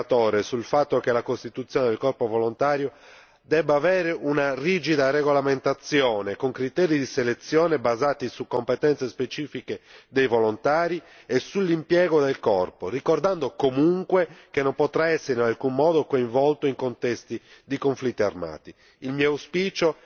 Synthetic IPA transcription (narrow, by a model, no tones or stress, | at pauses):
t̪ɔːɾesulfat̪ːokelakost̪it̪ut̪sːjoːned̪elkɔrpovolont̪aːɾjo | d̪ɛbːaːvɛːɾeʔunariːd͡ʒid̪areɣolament̪at̪sːjɔːnekoŋkɾit̪eːɾid̪iselet̪sːjɔːnebazaːt̪isukːompet̪ɛnt̪sespet͡ʃiːfiked̪ejvolont̪aːɾi | esulːimpjɛːɣod̪elkɔrporikord̪and̪okomuŋkwekenːompot̪ɾaɛsːeɾealkumːɔːd̪okoĩɱvɔlt̪oiŋkont̪ɛst̪id̪ikoɱflit̪ːia̰rma̰ːt̪i | ilmiːouspiːt͡ʃo